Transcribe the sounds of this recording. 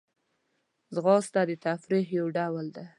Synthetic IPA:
zɣɑsd̪ɑd̪ət̪afɾiɦjawɖawald̪a

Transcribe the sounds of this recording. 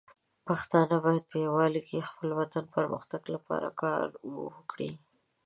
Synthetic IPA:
paxt̪ɑnəbɑjad̪̚pəjawɑlikʰexpəlwat̪anpəɾmə̰xt̪aɡlapɑ̰ɾa̰kɑ̰ɾwo̰wəkɽi

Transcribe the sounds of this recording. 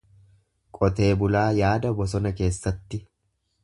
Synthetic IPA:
kʼɔt̪e̞ːbʊlaːjaːd̪ɐbɔs̬ɔnɐke̞ːsːɐt̪ːɪ

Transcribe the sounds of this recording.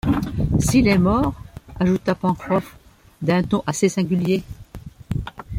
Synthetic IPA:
silɛmɔʁaʒut̪apɑ̃kχɔf | d̪ɛ̃t̪ɔ̃ʔasesɛ̃ɡʲylje

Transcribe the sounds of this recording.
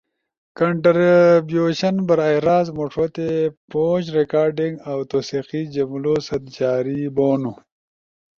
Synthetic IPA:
kɐɳʈɾbjoːɕɐnbɐɾajɾaːzmoʂot̪epoːd͡ʑɾekaːɾɖiŋɡawt̪oːsiqid͡ʒɐmlosɐd̪d͡ʒaːɾiboːnu

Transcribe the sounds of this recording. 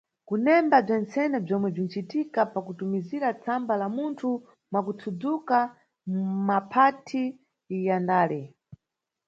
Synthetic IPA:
kunɛmbab͡ʐɛnt͡sɛnɛb͡ʐɔmwɛb͡ʐin̩t͡ʃitikapakutumiziɾat͡sʰambalamuntʰu | mwakutʰud͡zuka | mmapʰatʰi | jandaːlɛ

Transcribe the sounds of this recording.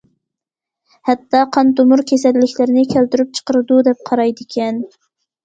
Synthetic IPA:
hɛt̪ːɑqʰɑnt̪umuɾkʲʰesɛlːɪkʲlɪɾɪnɪkʲʰælt̪yɾyp̚t͡ʃʰə̥qəɾɨd̪ud̪ɛp̚qʰɑɾɑjd̪ɪkʲʰɛn

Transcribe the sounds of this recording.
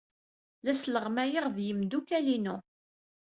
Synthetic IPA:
læsləʁmæjəʁvjəmd̪ukælinu

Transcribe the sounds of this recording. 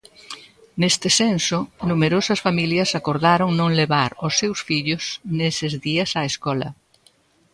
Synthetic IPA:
nest̪ɪsensonumeɾosɐsfamiljɐsakoɾðaɾoŋnõŋleβaɾosːewsfiʎʊsnesɪzðiɐsaeskɔlɐ̰

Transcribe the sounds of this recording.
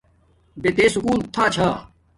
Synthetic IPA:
bet̪eːsʊkuːnt̪ʰːaːt͡ɕʰaː

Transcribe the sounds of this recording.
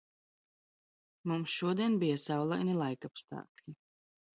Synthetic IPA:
mumsʃuɔd̪iɛnbijasawlˠajnilˠajkapst̪a̰ːklʲi

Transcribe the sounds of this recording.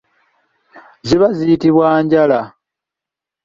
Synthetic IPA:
ziβazijitiβwaːɲɟala

